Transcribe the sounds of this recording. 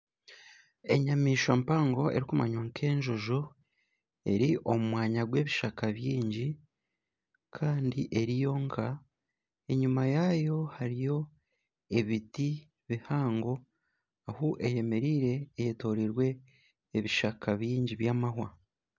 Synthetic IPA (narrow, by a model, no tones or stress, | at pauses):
e̞ɲamiːʃampaːŋɡo̞e̞̰ɾikuma̰ɲwaŋkʰe̞ːɲʒoʒo | e̞̰ɾiʔo̞mumwaːɲaɡwe̞ːβiʃakaβjiːɲɟi | kʰaːndiʔe̞ɾijo̞ŋkʰa | e̞ɲumajajo̞haɾijo̞ | e̞βiti | βihaːŋɡo̞ | ahuʔe̞je̞me̞ɾiːɾe̞ːjeto̞ɾiɾwe̞ː | βiʃakʰaβjiːɲɟiβjaːmaɦwa